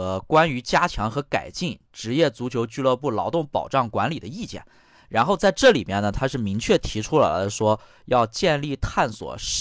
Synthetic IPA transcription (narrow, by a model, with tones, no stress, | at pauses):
kwa˥ny˧˥t͡ɕja˥t͡ɕʰjɑ˧˥ŋxɤ˧˥ka̰˨˩ɪt͡ɕi˥˩ŋʈ͡ʂɻ̩˧˥jɛ˥˩t͡su˧˥t͡ɕʰjo˧˥ʊt͡ɕy˥˧lɤ˥˧pu˥˩lɑ˧˥ʊt̪ʊ˥˩ŋpɑ̰˨˩ʊʈ͡ʂɑ˥˩ŋkwa˧˥nli˨˩d̪ə˦i˥˩t͡ɕjɛ̰˥˩n | ɻa˧˥nxo˥˧ʊt͡sa˥˧ɪʈ͡ʂɤ˥˩li˨˩mjɛ˥˩nːə˩t̪ʰa˥ʂɻ̩˥˩mi˧˥ŋt͡ɕʰɥɛ˥˩t̪ʰi˧˥ʈ͡ʂʰu˥la̰˧˥ɪd̪ə˧ʂwɔ˥ | jɑ˥˧ʊt͡ɕjɛ˥˧nli˥˩t̪ʰa˥˩nswɔ̰˨˩ʂ